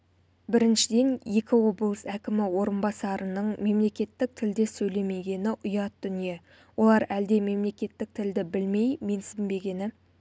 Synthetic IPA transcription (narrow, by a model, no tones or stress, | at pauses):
bɪɾɪnʃɪd̪e̞nje̞kʲɪwo̞blˠəsækʲɪmɪwo̞ɾənbɑsɑɾənəɴme̞mle̞kʲe̞t̪ːɪk̚t̪ʰɪld̪e̞sɵjle̞me̞ɡʲe̞nɪʔʊjɑt̪̚d̪ʏnije̞ | wʔo̞lˠɑɾæld̪e̞me̞mle̞kʲe̞t̪ːɪk̚t̪ʰɪld̪ɪbɪlme̞jme̞nsɪmbe̞ɡʲe̞nɪ